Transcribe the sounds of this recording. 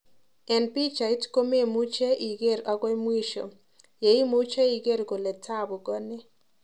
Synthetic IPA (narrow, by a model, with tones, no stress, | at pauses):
ɛ˨npi˦t͡ʃa˨i˦tko˦me˦mu˦t͡ʃe˦ʔi˨ɡe˦˨ɾɔ˦ɡɔ˦jmwi˦ʃo̰˨ | je˨i˦mu˦t͡ʃe˦i˨ɡe˦˨ɾɡo˨le˨tʰa˦˨bʊ˨ɡɔ˦ne˦